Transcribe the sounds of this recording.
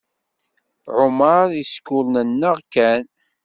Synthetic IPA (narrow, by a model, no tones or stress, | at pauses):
ʕʊmɑɾiskʊlnənːəʁkæn